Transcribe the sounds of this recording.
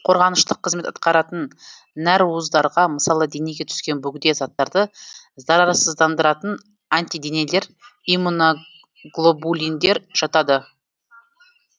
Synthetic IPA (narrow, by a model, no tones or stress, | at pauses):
qʰo̞ɾʁɑnəʃt̪əqʰːəzme̞t̪ɑt̪̚qɑɾɑt̪ənː | æɾwuəzd̪ɑɾʁɑməsɑlˠəd̪e̞ne̞ɡʲe̞t̪ʰʏ̥skʲe̞nbʏɡʲɪd̪e̞zɑt̪ːɑɾd̪ə | zɑɾɑɾɑsəzd̪ɑnd̪əɾɑt̪ən | anʲt̪ijd̪e̞ne̞le̞ɾimuno | ɡlˠobulʲijnd̪e̞ɾʒ̥ɑt̪ɑd̪ə